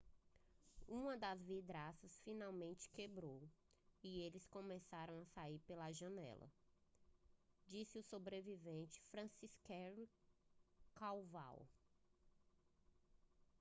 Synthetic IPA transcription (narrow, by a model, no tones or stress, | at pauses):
ũmɐd̪ɐzvid̪ɾasɐsfĩnawmẽnt͡ʃɪ̥kebɾow | ielɪskõmesaɾɐ̃w̃asaiɾpelɐʒɐ̃nɛ̰lɐ̰ | d͡ʒisɪʊsobɾevivẽnt͡ʃɪ̥fɾɐ̃siskɛɾ | kawva̰w